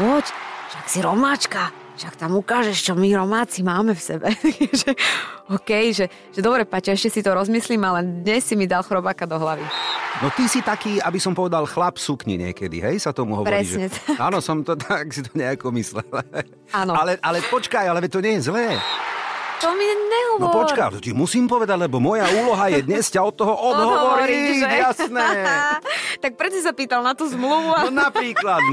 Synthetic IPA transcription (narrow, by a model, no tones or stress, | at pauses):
pɔcʃaksiɾɔmaːt͡ʃka | ʃakt̪amukaːʒɛʃt͡ʃɔmiɾɔmaːt͡simaːmɛfsɛbɛʒɛɔkɛjʒɛ | ʒ̥ɛd̪ɔbɾɛpacɛɛʃcɛsit̪ɔɾɔzmisliːmalɛd̪ɲɛsːimid̪alxɾɔbaːkad̪ɔɦlaʋinɔt̪isit̪akiːabisɔmpɔʋɛd̪alxlapsukɲḭɲɪɛ̰kɛd̪ḭɦɛjsat̪ɔmuɦɔʋpɾɔɾɛḭsʒɛɲɛt̪aːnɔsɔmt̪ɔt̪ʰaksit̪ɔɲɛakɔmislɛl | anɔalɛʔalɛpɔt͡ʃkajalɛʋɛt̪ɔɲɛjɛzlɛː | t̪ɔmiɲɛɦɔɔɔpɔt͡ʃkaɔt̪imusiːmpɔʋɛd̪aɟlɛbɔmɔjauːlɔɦajɛd̪ɲɛscaɔt̪ːɔɦɔʔɔd̪ɦɔʋɔɾɾijasnɛː | t̪ak̚pɾɛt͡sɔs̬apiːt̪alnat̪uːzmluʋuanapɾiːklat̪